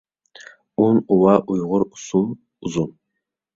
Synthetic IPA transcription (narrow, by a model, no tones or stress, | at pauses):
unuwɑʔujʁʊɾusun | uzun